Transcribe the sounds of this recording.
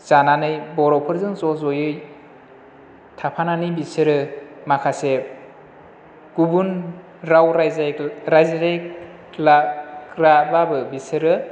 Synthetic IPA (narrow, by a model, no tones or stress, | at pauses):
zananɯjbɔɾɔwpʰɯɾzɯŋzɔzɔjɯj | tʰapʰananɯbisɯɾɯmakʰase | ɡ̥ubun | ɾawɾɾajzazajk | lakɾababɯbisɯɾɯ